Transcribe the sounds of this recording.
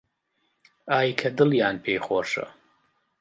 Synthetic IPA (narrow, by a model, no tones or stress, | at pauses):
aːjkʰɐdɨljaːnpʰejχʷɔʂa̰